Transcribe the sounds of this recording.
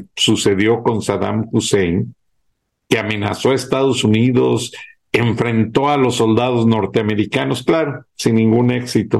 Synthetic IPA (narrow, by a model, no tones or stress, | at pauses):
suse̞ðjo̞ko̞nsaða̰mxusejn | keamẽ̞na̰so̞aest̪aðo̞suniðo̞s | eɱfɾe̞nt̪o̞alo̞sːo̞ld̪að̞ozno̞ɾt̪eame̞ɾikano̞sklaɾosinːĩŋɡune̞ksit̪o